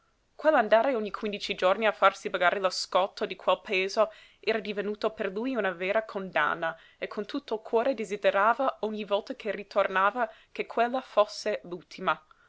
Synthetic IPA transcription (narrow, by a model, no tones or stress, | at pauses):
kwelːand̪aːɾeoɲːikʰwind̪it͡ʃid͡ʒorniafarsibaɡaːɾeloskɔt̪ʰːod̪ikʰwelpaeːzo | ɛːɾad̪ivenuːt̪operlujunaveːɾakʰond̪a̰nːa | ekʰːont̪ut̪ʰːoilkʰwɔːɾed̪ezid̪eɾaːvaɔɲːivɔlt̪akʰerit̪ʰornaːvakekʰːwelːafosːelult̪ʰima